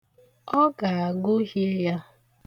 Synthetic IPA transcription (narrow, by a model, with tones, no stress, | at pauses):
ɔ˦ɡa˨a˨ɡʊ˦ɦi˦ja˦